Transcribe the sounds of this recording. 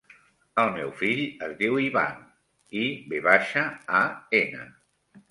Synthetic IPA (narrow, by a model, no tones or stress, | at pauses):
əlˠmɛwfiʎəzðiwiβa̰n | ibeβaʃəaenə̰